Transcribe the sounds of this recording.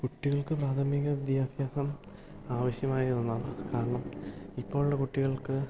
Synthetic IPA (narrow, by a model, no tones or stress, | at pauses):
kuʈːiɣɐɭkɨpraːt̪ʰɐmiɣɐʋid̪jaːbʱjaːsɐm | aːʋɐɕjɐmaːjiɐnːaːɳɨ̰kaːɾɐɳɐmipːo̞ːɭuɽɐkuʈːiɣɐɭkɨ